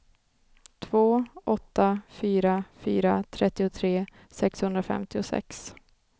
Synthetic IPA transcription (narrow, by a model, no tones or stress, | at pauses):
t̪ʰvoːɔt̪ːafyːɾafyːɾat̪ʰɾɛt̪ːɪʊt̪ʰɾeː | sɛkshɵnd̪ɾafɛ̰mt̪ɪʊsɛ̰ks